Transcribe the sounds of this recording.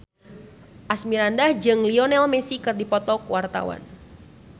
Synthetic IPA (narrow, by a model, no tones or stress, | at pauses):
ʔasmiɾandahd͡ʒɨŋliɔnɛlmɛsikɨrdipɔt̪ɔkwart̪a̰wa̰n